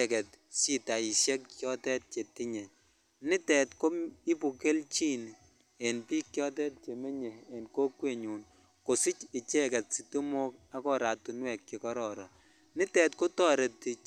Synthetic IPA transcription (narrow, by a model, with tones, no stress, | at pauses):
kɛ˨tsi˦ta˨i˨sjɛ˦kt͡ʃjɔ˦tɛ˦t̚t͡ʃe˨ti˦ɲe˨ | nɪ˦tɛ˨tko˦mi˦pu˨ke˦lt͡ʃi˦n | e˨npi˦kjɔ˦t̬ɛ˦t̚t͡ʃe˨me˦ɲeː˨nkoː˦kwe˦ɲu˨n | ko˨si˦t͡ʃɪ˨t͡ʃɛ˦kɛ˨t̚si˨tu˦mo˦k̚a˦kɔ˦ɾa˨tu˨nwɛ˨kkɪ˨kɔ˦ɾɔ˨ɾɔ˨ | nɪ˦tɛ˨tko˦tɔ˦ɾe˨tːi˨